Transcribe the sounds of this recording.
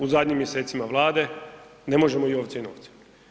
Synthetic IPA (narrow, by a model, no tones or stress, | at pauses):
uzad̪ɲimːje̞se̞ːt̪simaʋlˠaːd̪e̞ | ne̞mo̞ʒe̞moioʋt̪eno̰ːʋt̪si̥